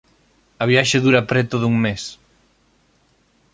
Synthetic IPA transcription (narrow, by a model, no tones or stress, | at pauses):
ɐβ̞jaʃeðuɾɐpɾɛt̪oðuŋmes